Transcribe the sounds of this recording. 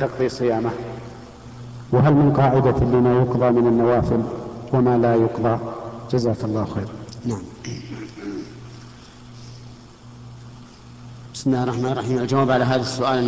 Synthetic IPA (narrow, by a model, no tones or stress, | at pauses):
t̪ɑqðˤisˤɨjaːma | wɪɦalmɪnqɑːʕɪd̪alːimaːjʊqðˤɑmɪnanːawaːfɪlwamaːlaːjʊqðˤɑd͡ʒazaːkalˤːɑːhxeːɾnaʕam | b̥ɪ̥smɪlːaːrˤːɑħmaːnɾˤːɑħiːmald͡ʒawaːbʕalaɦaːðasːʊʔaːl